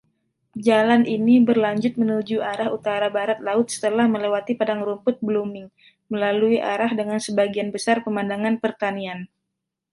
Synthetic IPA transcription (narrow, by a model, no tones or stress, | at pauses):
d͡ʒalanʔinibərlaɲd͡ʒʊt̪̚mənud͡ʒuaɾahut̪aɾabaɾat̪̚laʊt̪̚sə̥t̪əlahməlewat̪ipadaŋɾumpʊt̪̚blumɪŋ | məlaluiʔa̰ɾahdəŋansəbaɡianbəsarpəmandaŋanpərt̪anian